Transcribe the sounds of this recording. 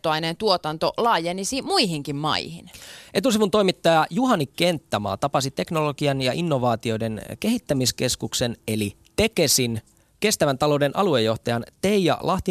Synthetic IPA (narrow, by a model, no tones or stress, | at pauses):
t̪oɑinent̪uot̪ɑnt̪o̞lɑːjenisimuiɦiŋkimmɑ̰ihḭnʔe̞t̪us̬iʋunt̪o̞jmit̪ːɑjɑjuɦɑnikːe̞nt̪ːɑmɑ̰ːt̪ɑpɑsit̪e̞kno̞lo̞ɡiɑnjɑʔinːo̞ʋɑːt̪io̞de̞nke̞ɦit̪ːæmiske̞skukse̞ne̞li | t̪e̞ke̞sin | ke̞st̪æʋænt̪ɑlo̞ude̞nʔɑlue̞jːo̞ht̪ɑjɑnt̪e̞ijɑ̰lʔɑht̪i